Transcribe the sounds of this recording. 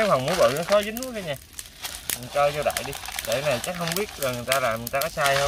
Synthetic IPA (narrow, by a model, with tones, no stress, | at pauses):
a˦˥k̚ha˨˩ŋ͡mmu˦ɓə̰ː˧˨nɔ˨˦xɔ˨˦zɨ˨˦ŋə˨˦kə˧ɲaː˨˩˨ | t͡ɕə˧zɔ˧ɗa̰ː˧˨jɗi˧ɗḛ˧˩˦naː˨˩t͡ɕa˦˥k̚hə˧wŋ͡mɓi˦˥ət̚zɔ˨˩jŋɨ˨˩jt̪aː˧laː˨˩mɲɨ˨˩jt̪aː˧ɔ˨˦saː˧jhə˧ŋ͡m